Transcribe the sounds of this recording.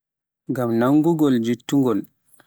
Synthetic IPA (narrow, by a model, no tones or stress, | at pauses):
ŋɡamnaŋːɡuɡɔld͡ʒitːuŋɡɔl